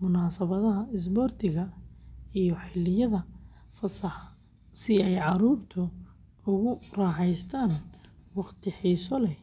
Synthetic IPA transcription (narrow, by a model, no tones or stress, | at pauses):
mʊnaːsɐβɐðɐɦɐɪs̬bɔːrt̪ʰɪɣɐ | ijɔħɪlɪjɐðɐ | fɐsɐħ | sɪɛjʕɑɾuːrt̪ʰʊ | ʊɣʊrɑːħɛjst̪ʰaːnwɑχt̪ʰɪħiːsɔlɛ